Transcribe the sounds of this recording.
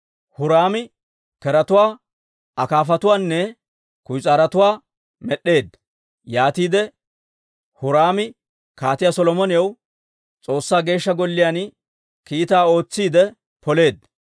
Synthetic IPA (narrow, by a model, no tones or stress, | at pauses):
hʊɾaːmɪ | kɛɾɐt̪ʊwaː | ɐkaːfɐt̪ʊwaːnːɛ | kʊjt͡sʼaːɾɐt̪ʊwaː | mɛɗːe̞ːd̪ | jaːt̪iːd̪ɛ | hʊɾaːmɪ | kaːt̪ɪjasɔlɔmɔnɪjɐw | t͡sʼo̞ːsːaːɡe̞ːʃːɐɡɔlːɪjaːn | kiːt̪aːo̞ːt͡sːiːd̪ɛ | pɔle̞ːd̪